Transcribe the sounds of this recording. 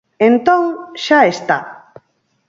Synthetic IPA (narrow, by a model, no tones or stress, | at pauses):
ent̪õŋʃaest̪a̰